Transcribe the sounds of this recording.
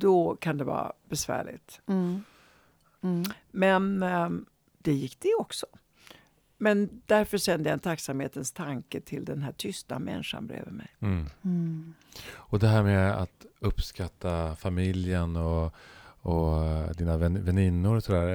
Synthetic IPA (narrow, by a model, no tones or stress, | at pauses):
d̪̥ɔkʰand̪ɛvɑ̰ːb̥ɛsvæ̰ːɭɪ̰t̪ | mɛn | d̪̥ɛjɪkːd̪̥ɛɔksɔ̥ | mɛnd̪̥æɾfœʂɛnd̪əjaɛnt̪ʰaksamheːt̪ənst̪ʰaŋkəʈʰɪld̪ɛnɦæːʈʰʏst̪a̰mɛ̰nʂa̰nbɾḛːvəmɛ̰j | ɔd̪ɛɦæːɾmɛa̰t̪ɵpskat̪ʰːafamɪljənɔ | ɔd̪iːnavɛvɛnɪnːʊɾsd̪æːɾ